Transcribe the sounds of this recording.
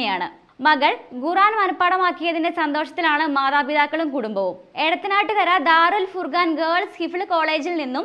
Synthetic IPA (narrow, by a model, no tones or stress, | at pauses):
ɐjaːɳɨ̰ | mɐɣɐɭɡuraːnmɐnɐpːaːɽɐmaːkːijɐðindesɐnd̪o̞ːʂɐt̪ːilaːɳɨmaːðaːbiðaːkːɐɭumkuɽumbɐʋum | e̞ɽɐt̪ːinaːʈːɨtɐɾɐd̪aːɾulfurɡaːnɡɐːɭshifɭɨko̞ːɭe̞ːd͡ʑilninːum